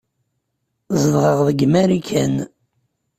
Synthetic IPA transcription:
zəðʁəʁðəɡmæɾikʰæn

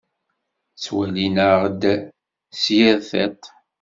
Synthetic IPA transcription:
t͡sːwælinəʁəd̪ | sjæɾθæt̪

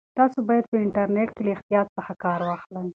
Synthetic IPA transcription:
t̪ɑsobɑjad̪̚pəɪɳʈaɾneʈkelaɪxt̪ijɑt̪saxakɑɾwɑxlaw

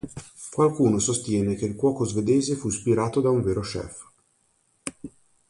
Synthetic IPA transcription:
kwalkuːnosost̪jɛːnek̟eilkwɔːkozved̪eːzefuspiɾaːt̪od̪auɱveːɾoʃɛ̰f

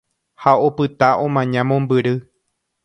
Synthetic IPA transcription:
haopɨt̪aʔõmãɲãmõmbɨɾɨ

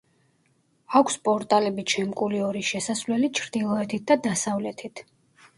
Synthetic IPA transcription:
akʷʰspʼɔɾt̪ʼalɛbit͡ʃʰɛmkʼuliɔɾiʃɛsasvlɛlit͡ʃʰɾd̪̥ilˠɔɛt̪ʰit̪̚d̪ad̪asavlɛt̪ʰit̪ʰ

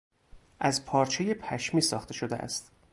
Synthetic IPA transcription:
ʔæzpʰɒːɾt͡ʃʰeje̞pʰæʃmiːsɒːxt̪ʰe̞ʃo̞d̪eʔæ̰st̪

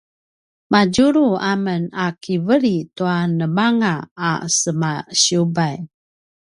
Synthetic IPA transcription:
mad͡ʒuɾuamənakʰivəɾit̪uanəmaŋa̰ːsəmaɕiubaj

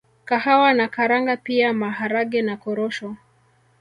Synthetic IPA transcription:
kahawanakaɾaŋɡapiamaɦaɾaɠɛnakɔɾɔʃɔ

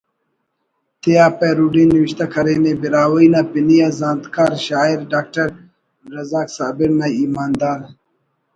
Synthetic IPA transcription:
t̪ʰijaːpeɾuɖiniwiɕt̪ɐkʰɐɾeːnebiɾaːwɐjnapinijazaːnt̪kaːɾɕaːiɾɖaːk̚ʈɐɾ | ɾɐzaːksaːbiɾnajimaːnd̪aːɾ

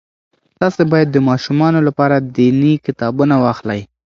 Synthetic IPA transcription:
t̪ɑsebɑjad̪ːəmɑʃumɑnolapɑɾad̪inikɪt̪ɑbunawɑxlaj

